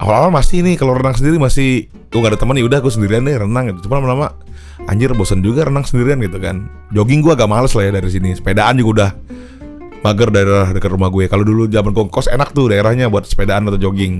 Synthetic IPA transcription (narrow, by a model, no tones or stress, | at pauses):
ʔa̰wa̰la̰walmasɪnɪkalowɾənaŋsəndiɾimasɪh | ɡuŋɡadat̪əmənaudahɡusəndiɾiandɛrənaŋɡit̪ut͡ʃupanamanama | a̰ɲd͡ʒərbosənd͡ʒuɡaɾənaŋsəndiɾianɡit̪ukan | d͡ʒoɡɪŋɡuaɡaʔmaləslajadaɾis̬inisə̥pedaʔand͡ʒuɡaudah | maɡərdaeɾahdəkət̪rɾumaɡuɛkalodulud͡ʒamanɡuaŋkɔsenak̚t̪udaeɾahɲabuat̪̚sə̥pedaʔanat̪ad͡ʒoɡɪŋ